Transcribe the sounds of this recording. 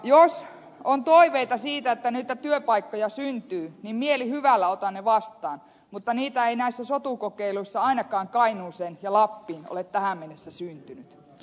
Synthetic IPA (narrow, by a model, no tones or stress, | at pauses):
jos | ont̪oiʋeit̪ɑsiːt̪æet̪ːænyiːt̪ːæt̪yøpɑikːojɑsynt̪yːnimmielihyʋælːæot̪ɑnneʋɑst̪ˑɑːn | mut̪ːɑniːt̪æeinæisːæsot̪uˑkokeiluisːɑɑinɑkɑːŋkɑinuːsenjɑlɑpːiːno̰let̪t̪æhæmmenesːæsynt̪ynyt̪